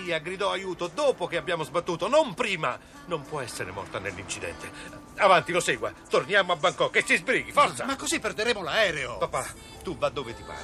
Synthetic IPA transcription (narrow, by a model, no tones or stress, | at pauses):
iːaɡɾid̪ɔajuːt̪od̪oːpok̟eabːjaːmozbat̪ːuːt̪onompɾiːma̰ | nompwɔɛsːeɾḛmɔ̰rt̪anelːint͡ʃid̪ɛ̰nt̪e | avant̪iloseːɡwa̰t̪ornjamoabːaŋkɔkːesːizbɾiːɡifɔɾt̪samakːozipːeɾd̪eɾeːmolaɛːɾeopapːa | t̪uvad̪ːovet̪iva̰ː